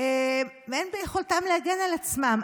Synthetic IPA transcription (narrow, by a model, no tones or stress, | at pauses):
e | veenbejeχoltamlehaɡe̞nalat͡smam